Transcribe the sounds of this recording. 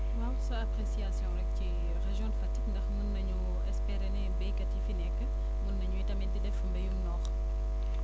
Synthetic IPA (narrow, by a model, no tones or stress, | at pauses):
wawsɐapɾesiasjɔ̃ɾɛk̚ci | ʁeʒjɔ̃ndfɐtikndɐxnunːɐɲu | ɛspɛɾenɛbɐjkɐtifinɛkːə | munːɐɲuitɐmɛntidɛfəmbɐjunɔːχ